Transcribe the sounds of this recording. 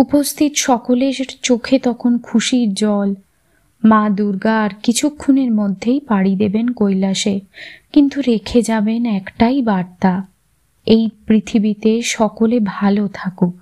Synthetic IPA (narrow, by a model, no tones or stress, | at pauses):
upost̪ʰit̪oʃɔkoleɾt͡ɕokʰet̪ɔkʰonkʰuʃiɾd͡ʑɔl | mad̪uɾɡaɾkit͡ɕʰukʰːuneɾmod̪ʱːejpaɽid̪ebenkojlaʃekint̪uɾekʰed͡ʑabenɛkʈajbaɾt̪a | ejpɾit̪ʰibit̪eʃɔkolebʱalot̪ʰako